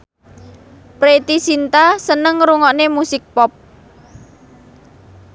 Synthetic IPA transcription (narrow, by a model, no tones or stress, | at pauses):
pɾet̪isint̪asənəŋɾuŋɔʔnemusɪk̚pɔp̚